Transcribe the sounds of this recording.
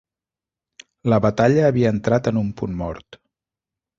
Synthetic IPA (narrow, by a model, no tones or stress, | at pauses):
ləβət̪aʎəːβiəːnt̪ɾat̪ənumpunmɔ̰ɾt̪